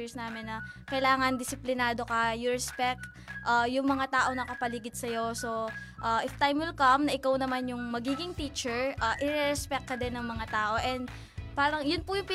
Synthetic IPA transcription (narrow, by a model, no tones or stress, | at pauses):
ɹsnaːmɛnːɐkɐjlaːŋɐnd̪ɪsɪplɪnaːd̪o̞kɐjʊɹɛspɛk̚t̪̚ | ʔajʊŋmɐŋat̪aːʔo̞ŋnɐkɐpɐliɡɪd̪̚sɐjo̞so̞ʔaʔɪft̪ajmwɪlkɐmnɐʔɪkawnɐmanjʊŋmɐɡiːɡɪŋt̪iːt͡ʃɛɹʔaʔɪɾɛɾɛspɛk̚kːɐd̪ɛnːɐŋmɐŋat̪aːʔo̞ʔɛnd̪ | paːɾɐŋjʊnpʊjʊŋpi